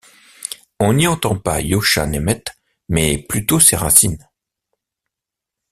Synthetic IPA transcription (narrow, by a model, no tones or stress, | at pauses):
ɔ̃niɑ̃t̪ɑ̃pa̰jɔʃa̰nɛmɛt̪ | mɛplyt̪oseʁa̰sin